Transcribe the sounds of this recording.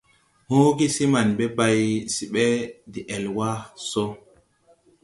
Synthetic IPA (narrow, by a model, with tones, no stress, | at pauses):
hũ˦ɡi˦si˦ma˨nbe˦ba˨jsi˨ɓɛ˦di˨ʔɛ˨lwa˦so˦